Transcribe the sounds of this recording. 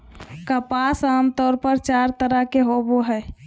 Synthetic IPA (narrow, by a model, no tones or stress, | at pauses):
kəpasaːmt̪ɔːɾpəɾt͡ʃaɾt̪əɾəkeɦoboɦɛ